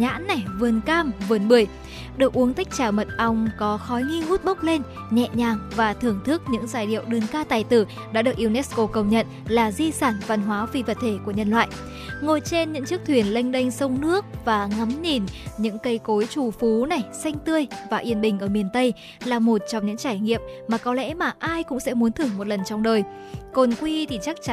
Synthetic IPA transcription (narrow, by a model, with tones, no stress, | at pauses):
ɲa̰ː˧˥nːa˨˩jvɨ˨˩ənkaː˧mvɨ˨˩ənɓɨ˨˩əj | ɗɨ˨˩ək̚ʔu˨˦əŋt̪a˦˥jk̟̚t͡ɕaː˧˩mə˨˩t̚ʔa˧wŋ͡mkɔ˨˦xɔ˨˦jŋi˧ŋu˦˥t̚ɓə˦˥wk͡p̚le˧n | ɲɛ̰˧˨ɲaː˨˩ŋvaː˨˩t̪ʰɨ˧˩əŋt̪ʰɨ˦˥k̚ɲɨ̰˧˥ŋzaː˧˩jɗḭ˧˨əwɗɨ˨˩ənkaː˧t̪aː˨˩jt̪ɨ˧˩ | ɗa̰ː˧˥ɗɨ˨˩ək̚ʔi˧wnɛ˦˥sko˧kə˨˩wŋ͡mɲə̰˧˨nlaː˨˩zi˧saː˧˩nva˧˩nɦwaː˨˦vi˧˩və˨˩t̚t̪ʰe˧˩ku˧˩əɲə̰˧˨nlwa̰ː˧˨j | ŋo˧˩jt͡ɕe˧nɲɨ̰˧˥ŋt͡ɕɨ˦˥k̚t̪ʰwi˧˩ənla˧jŋ̟ɗə˧jŋ̟sə˧wŋ͡mnɨ˦˥ək̚vaː˨˩ŋa˨˦mɲi˨˩nɲɨ̰˧˥ŋkə˧jko˨˦jt͡ɕu˨˩fu˨˦na˨˩jsa˧jŋ̟t̪ɨ˧əjvaː˨˩ʔi˧˩ənɓï˨˩ŋ̟ʔəː˧˩mi˨˩ənt̪ə˧j | laː˨˩mo˨˩t̚t͡ɕɔ˧wŋ͡mɲɨ̰˧˥ŋt͡ɕaː˧˩jŋḭ˧˨əp̚maː˨˩kɔ˨˦lɛ̰˧˥maː˨˩ʔaː˧jkʊ̰˧˥ŋ͡msɛ̰˧˥mu˨˦nt̪ʰɨ˧˩əŋmo˨˩t̚lə˨˩nt͡ɕɔ˧wŋ͡mɗəː˨˩j | ko˨˩nkwi˧t̪ʰi˧˩t͡ɕa˦˥k̚t͡ɕ